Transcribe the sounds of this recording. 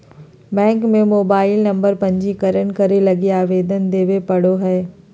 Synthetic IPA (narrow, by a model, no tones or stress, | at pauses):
bɛ̃ːŋkmẽmoːbaːɪlnɐ̃mbəɾpɐ̃ɲd͡ʑikɐɾənkɐɾelɐɡiaːʋeːd̪ənd̪eːʋepɐɽoɦɛː